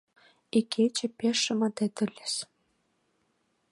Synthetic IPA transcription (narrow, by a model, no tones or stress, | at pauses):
iket͡ɕɘ̆pʲeʃːɘ̆mɑt̪ĕt̪ɘ̆lʲeʃ